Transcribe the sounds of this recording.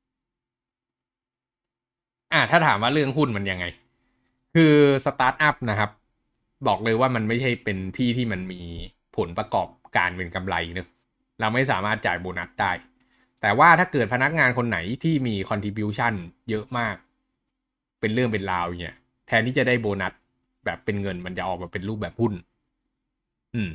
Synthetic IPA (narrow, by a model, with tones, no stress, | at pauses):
ʔaː˧˩t̪ʰaː˥˩t̪ʰaː˩˦mwaː˥˩ɾɯ˥˩əŋɦu˥˩nma˧nja˧ŋːa˧j | kʰɯː˧sa˧t̪aː˦˥t̪̚ʔa˦˥p̚na˦˥kʰa˦˥p̚ | bɔː˨˩k̚lɤː˧jwaː˥˩ma˧nma˥˩jt͡ɕʰa˥˩jpe˧nt̪ʰiː˥˩t̪ʰiː˥˩ma˧nmiː˧ | pʰo˩˦npɾa˧kɔ̰ː˨˩p̚ka̰ː˧npe˧nka˧mla̰˧jnɯ˦ | ɾa˧wma˥˩jsaː˩˦maː˥˩t̪̚t͡ɕaː˨˩jboː˧na˦˥t̪̚daː˥˩j | t̪ɛː˨˩waː˥˩t̪ʰaː˥˩kɤː˨˩t̪̚pʰa˧na˦˥k̚ŋaː˧nkʰo˧nːa˩˦jt̪ʰiː˥˩miː˧kʰɔ˧nt̪ʰiː˧bi˧˦˥t͡ɕʰa˥˩njɤ˦˥ʔmaː˥˩k̚ | pe˧nɾɯ˥˩əŋp̬e˧nlaː˧wi˨˩ŋḭ˦˥˩ | t̪ʰɛː˧nt̪iː˥˩t͡ɕa˨˩daː˥˩jboː˧na˦˥t̪̚ | bɛː˨˩pːe˧nŋɤ˧nma˧nt͡ɕa˨˩ʔɔː˨˩k̚maː˧pe˧nɾuː˥˩p̚bɛː˨˩p̚hu˥˩n | ʔɯː˨˩m